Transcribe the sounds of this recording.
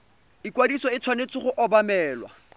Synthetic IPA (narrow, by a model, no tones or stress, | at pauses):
ɪkwadisɔɪt͡sʰwanet͡sʰɪχʊʔɔbamɛːlwa̰